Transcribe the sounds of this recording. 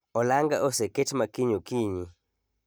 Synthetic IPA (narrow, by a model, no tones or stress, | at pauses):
ɔlaŋɡaʔoseketmakiɲokiɲi